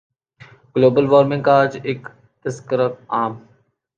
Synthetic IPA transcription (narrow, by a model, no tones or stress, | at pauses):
ɡloːbəlʋoːɾmɪ̃ŋkaːd͡ʒɪk | t̪əskəɾət̪̚aːm